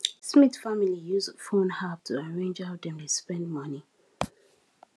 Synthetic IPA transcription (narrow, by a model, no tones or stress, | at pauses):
smiθfamilijuzfõnhap̚tʰuaɹẽnd͡ʒaʊdɛ̃mtuspɛ̃ndmʌni